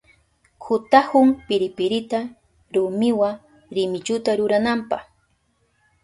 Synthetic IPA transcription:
kʰʊt̪ahʊŋpɪɾɪpɪɾɪt̪a | ɾʊmɪwa | ɾɪmɪt͡ʃʊt̪aɾʊɾanampɑ̰χ

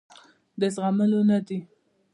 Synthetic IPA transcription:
d̪əsɣaməlonad̪i

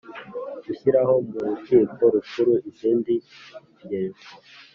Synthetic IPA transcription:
uɕiɾaɦo̞muɾutiːko̞ɾukuɾuʔiziːndiɾjeːmo

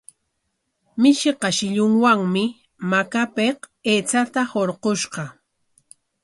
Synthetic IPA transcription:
mɪʃeqɑʃɪʎʊŋwaŋmɪ | makapeq | eːt͡sat̪ahoɾqoʃqɑ

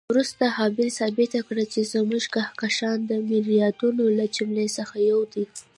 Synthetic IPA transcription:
wɾust̪aɦɑbɪlsɑbɪt̪akɽat͡ʃezəmuʒɡahkaʃɑnd̪əmɪɾijɑd̪unolat͡ʃimlesəxajawd̪i

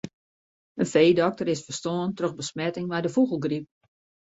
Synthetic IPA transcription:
ənfeːdɔk̚təɾɪsfəstoːəntrøxbəsmɛtɪŋmɛjdəfuɣəlˠɡrip̚

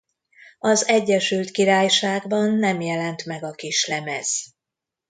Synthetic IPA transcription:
ɒzɛɟːɛʃylt̪kiɾaːjʃaːɡbɒnːɛmjɛlɛnt̪mɛɡɒkiʃlɛmɛz̥

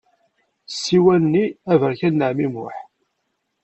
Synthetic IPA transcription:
sːiwænːiævəɾçænːəʕmimʊħ

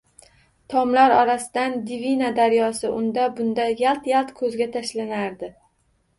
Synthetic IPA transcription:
t̪ʰɒmlaɾɒɾasɪd̪and̪ivinad̪aɾjɒsɪʔʊnd̪abʊnd̪ajalˠt̪jalˠt̪kʰɵzɡʲat̪ʰaʃlanaɾd̪ɪ

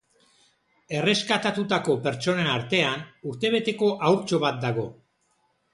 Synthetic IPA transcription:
e̞re̞skat̪at̪ut̪ako̞pe̞ɾt͡ʃo̞nenaɾt̪e̞anuɾt̪e̞β̞e̞t̪e̞ko̞ʔawɾt͡ʃo̞βat̪̚d̪aɣo̞

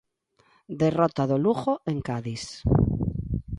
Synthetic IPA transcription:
d̪erot̪aðoluɣoʔeŋkaðis

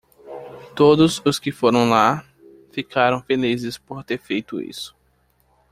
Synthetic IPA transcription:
t̪od̪ʊzʊskɪfoɾɐ̃w̃la | fikʰaɾɐ̃w̃felizɪspoɾt̪eɾfejt̪ʊḭsʊ̥

